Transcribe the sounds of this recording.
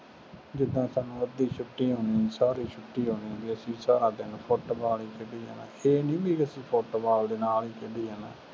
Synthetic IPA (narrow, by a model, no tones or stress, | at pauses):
d͡ʒɪd̪ːãːsaːnːũːəd̪iːt͡ʃʰʊʈːiːɦoːniːsaːɾiːt͡ʃʰʊʈːiːɦoːnibiəsĩːsaːɾaːd̪ɪnpʰoːʈoːbaːliːkɪɖiːɦa̰ːna̰ːeːnĩːbiːəsĩːpʰoːʈoːbaːld̪eːnaːliːkɪɖ̪iːɦaːna̰ː